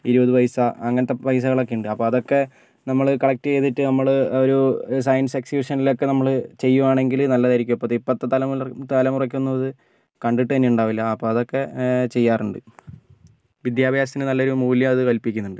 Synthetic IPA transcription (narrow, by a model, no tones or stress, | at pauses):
iɾubɐðɨʋɐjsɐɐŋːɐnɐt̪ːeʋɐjs̬ɐɣɐɭokːejuɳɖɨɐpːoːɐðo̞kːe̞ | nɐmːɐɭɨkɐɭɐk̚tɨe̞ːt̪iʈːɨnɐmːɐɭoɾus̬ɐjɐnseksjuːʂɐnilo̞kːe̞nɐmːɐɭɨt͡ɕe̞jːumaːɳe̞ŋɡilnɐlːɐðɐɾikʲːumɐpːot̪ipːɐt̪ːɨt̪ɐlɐmt̪ɐlɐmurɐk̬ʲːunːɐɐðɨ | kɐɳɖiʈːɨɐnːeuɳɖaːʋilːɐɐpːoːɐðo̞kːe̞t͡ɕe̞jːaːruɳɖɨ | ʋid̪jaːbʱjaːs̬ɐt̪inenɐlːo̞ɾumuːljɐɐðɨkɐlpikʲːunːuɳɖɨ